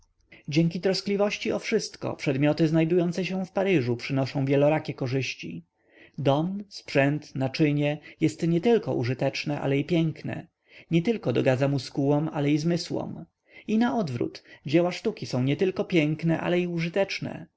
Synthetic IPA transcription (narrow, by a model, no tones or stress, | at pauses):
d͡ʑɛŋkʲit̪ɾɔsklʲivɔɕt͡ɕiɔfʂɘst̪kɔ̰pʂɛd̪mʲjɔt̪ɘznajd̪ujɔnt̪sɛɕɛfpaɾɘʐupʂɘnɔʂɔ̃w̃vʲjɛlɔɾakʲɛkɔʐɘɕt͡ɕḭ | d̪ɔmspʂɛnt̪nat͡ʂɘɲɛjɛst̪ɲɛt̪ɘlkɔ̰ʔṵʐɘt̪ɛt͡ʂnɛʔa̰lɛipʲjɛŋknɛ̰ | ɲɛt̪ɘlkɔd̪ɔɡad̪zamuskuwɔmalɛizmɘswɔ̰m | inaɔd̪vɾṵt̪d͡ʑɛwaʂt̪ukʲisɔ̃w̃ɲɛt̪ɘlkɔpʲjɛŋknɛʔa̰lɛiuʐɘt̪ɛt͡ʂnɛ̰